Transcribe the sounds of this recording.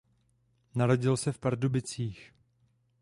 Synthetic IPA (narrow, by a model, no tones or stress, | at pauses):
naɾo̞ɟɪlsɛfpaɾdubɪt͡siːx